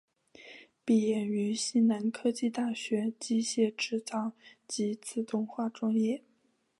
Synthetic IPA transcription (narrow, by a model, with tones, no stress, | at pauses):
pi˨˩jɛ˥˩ny˧˥ɕi˥nna˧˥nkʰɤ˥t͡ɕi˥˧t̪a˥˩ɕɥɛ˧˥t͡ɕi˥ɕjɛ˥˩ʈ͡ʂɻ̩˥˩t͡sɑ˥˩ʊt͡ɕi˧˥t͡sʰɹ̩˥˩t̪ʊ˥˧ŋxwa˥˩ʈ͡ʂwa˥ŋjɛ˥˩